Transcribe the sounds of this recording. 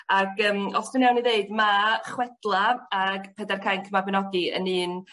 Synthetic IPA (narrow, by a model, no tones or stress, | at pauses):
aɡəːmɔsd̥ɪnawniðeɨdmaχwɛd̥lˠaaɡpʰɛdarkʰajnkʰəmabɪnɔdiə̰nɨːn